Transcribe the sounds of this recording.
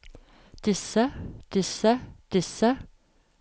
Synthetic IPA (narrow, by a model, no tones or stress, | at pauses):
d̪̥ɪsəd̪̥ɪsəd̪̥ɪsə